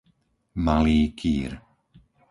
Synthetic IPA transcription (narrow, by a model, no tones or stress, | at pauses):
maliːkʰḭːɾ